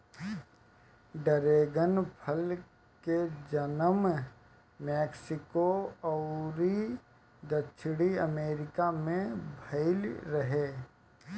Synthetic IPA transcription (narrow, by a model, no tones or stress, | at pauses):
ɖəɾeːɡənpʰəl | ked͡ʒənəm | meːksɪkoɔʊɾi | d̪ət͡ʃʰɽiəmeːɾɪkamẽbʱɐɪlɾəɦeː